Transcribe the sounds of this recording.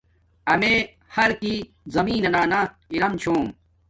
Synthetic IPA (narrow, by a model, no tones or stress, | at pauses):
ɐme | hɐɾki | zɐmiːnɐnaːna | iɾɐmt͡ɕʰoːm